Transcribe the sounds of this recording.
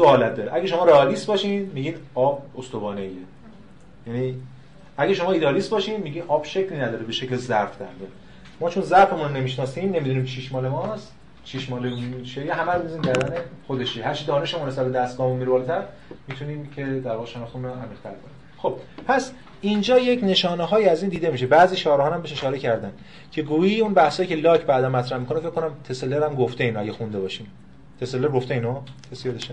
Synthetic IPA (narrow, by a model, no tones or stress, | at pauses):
soɒːlæt̪̚d̪ɒːɾeʔæɡeʃo̞mɒːɾeɒːlist̪bɒːʃiːnmiɟiːnɒːbost̪obɒːneje | jæniː | æɡæʃo̞mɒːid̪eɒːliːst̪bɒːʃiːnmiɟiːnɒːb̥ʃecʰlinæd̪ɒːɾebe̞ʃeclezæɾfd̪ænd̪e | mɒːt͡ʃʰonzæɾfemunne̞miʃnɒːsiːmne̞mid̪uniːmt͡ʃʰiʃmɒːlemɒst̪ | ʃʰiʃmɒːlemʃeɾjeɦæmæɾmizinmcʰæɾd̪ænexod̪e̞ʃehæɾt͡ʃʰid̪ɒːne̞ʃemunesæɾbed̪æst̪ɡɒːmomiɾbɒːlet̪ʰæɾ | miːt̪ʰuniːmcʰe̞d̪æɾɒːɣeʃenɒxχt̪eunoæmiʁt̪ʰæɾkʰo̰niːm | xob̥̚pʰæs | ind͡ʒɒːjecʰne̞ʃɒːneɦɒːjiæziːnd̪iːd̪e̞miːʃ̬ebæːziːt͡ʃʰɒːɾhɒːnæmbeʃe̞ʃɒːɾe̞cʰæɾd̪æn | cʰe̞ɡuːiːunbæhsɒːjiːcʰe̞lɒːcʰbæːd̪æmːæt̪ɾæhmikʰonefekʰːkːonæmt̪ʰe̞seleɾæmɡoft̪e̞inoæ̰ɡɟexund̪e̞bɒːʃiːm | t̪ʰe̞selːeɾɡo̞ft̪einot̪ʰesijed̪eʃe